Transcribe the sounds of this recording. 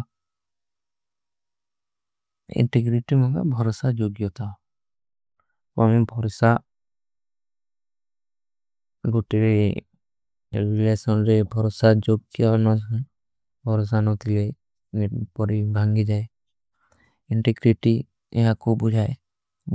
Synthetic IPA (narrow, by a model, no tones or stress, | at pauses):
ḭɳʈeɡɾiʈimɔŋɡa̰bʱɔɾɔsad͡ʒoɡjɔt̪ʰa | pamibʱɔɾsa | ɡoʈiɾe | ɾilesɔnɾebʱɔɾɔsad͡ʒoɡ̚kijanɔsɔ | bʱɔɾɔs̬anɔt̪ile | pɔɾibʱaŋɡid͡ʒae | iɳʈeɡɾiʈi | ɛ̰ɦakobud͡ʒʱae